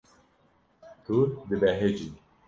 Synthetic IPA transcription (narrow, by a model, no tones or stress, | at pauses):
t̪uɾd̪ɨbɛɦed͡ʒi